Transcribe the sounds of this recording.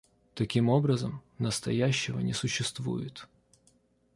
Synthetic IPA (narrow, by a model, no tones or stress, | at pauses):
t̪ɐkʲimo̞bɾəzəmnəst̪ɐjæɕːɪvə̰nʲɪsʊɕːɪst̪vṵjɪt̪